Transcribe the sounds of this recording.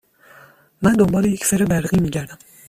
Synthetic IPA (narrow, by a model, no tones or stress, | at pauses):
mænd̪ombɒːlejecʰseɾebæɾɣiːmiːɟæɾd̪æm